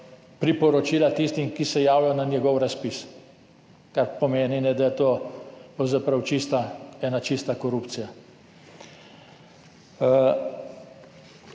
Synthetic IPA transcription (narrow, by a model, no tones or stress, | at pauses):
pɾipɔɾɔt͡ʃiːlat̪ist̪imkisɛjaːwjɔnanjɛɡɔwɾaspis | kaɾpɔmeːninɛd̪ajɛt̪oːpɾɐwzapɾɐwt͡ʃist̪aɛːnat͡ʃist̪akɔɾupt̪sija